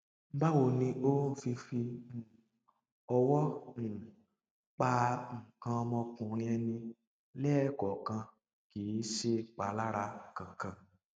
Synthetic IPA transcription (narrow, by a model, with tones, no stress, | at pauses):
m̩˦ba˦wo˧˨nĩ˧ʔo˦˨fi˧fĩ˧˨ | ɔ˧wɔ˦n̩˨ | k͡pa˧ŋ̩˨kã˧ɔ˧mɔ̃˧kũ˨ɾ̃ĩ˧˦ɛ˧nĩ˧ | lɛ˦˨kɔ˨kã˧ | ki˨˦ʃe˦k͡pa˨˧˦la˦ɾa˧˨kã˨kã˧